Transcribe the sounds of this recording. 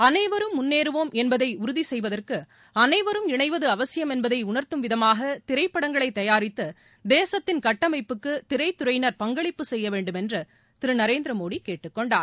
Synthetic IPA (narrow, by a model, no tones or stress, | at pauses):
ɐnɐɪʋɐɾɯmːʊnːeːɾɯʋoːmʔɛnbɐðɐɪʊɾʊðisɛjʋɐðɐrkɯ | ɐnɐɪʋɐɾɯmɪɳɐɪʋɐðɯɐʋɐsɪjɐmɛnbɐðɐɪʊɳɐɾt̪ɯmʋɪðɐmaːɣɐt̪ɪɾɐɪpːɐɽɐŋɡɐɭɐɪt̪ːɐjaːɾɪt̪ːɯ | d̪eːsɐt̪ːɪnkɐʈːɐmɐɪpːɯkːɯt̪ɪɾɐɪt̪ʊɾɐɪnɐɾpɐŋɡɐɭɪpːɯsɛjːɐʋeːɳɖɯmɛndrɯ | t̪ɪɾɯnɐɾeːnd̪ɾɐmoːɽikːeːʈːɯkːɔɳɖaː